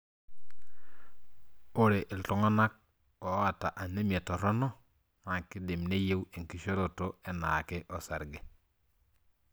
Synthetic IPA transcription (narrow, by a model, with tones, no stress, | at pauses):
u˦ɾe˨ʔi˨ltu˦ŋa˦na˦k̚ | o˨˦a˦˨ta˨ʔa˨ne˦m˨e˨to˨ɾo˦no˦ | na˨ŋki˦de˨mne˦je˦we˨ŋki˦ʃo˦ɾo˨to˦e˦na˨ke˦ʔo˨sa˨ɾɡe˨